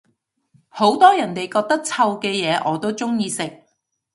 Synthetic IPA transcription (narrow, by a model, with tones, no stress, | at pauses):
ho˨˥wt̪ɔː˥jɐ˨˩nt̪e˨jkɔː˧k̚t̪ɐ˥k̚t͡sʰɐ˧wkɛː˧jɛː˨˧ʔɔː˨˧t̪o˥wt͡sʊ˥ŋjiː˧sɪ˨k̚